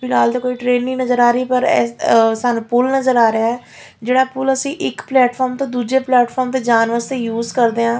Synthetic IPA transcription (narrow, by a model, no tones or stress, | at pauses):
pʰɪnaːld̪aːkoːiːʈɾeːnːiːnəzəɾaːɾiːpəɾɛːsanupʊlnəzəɾaːɾəjaːɦɛː | d͡ʒeːɽaːpʊləsĩːʔɪkplɛːʈpʰɔːɾmt̪õːd̪uːd͡ʒeːplɛːʈfʰɔːɾmt̪eːd͡ʒaːnʋəɾst̪eːjuːzkəɾd̪eːãː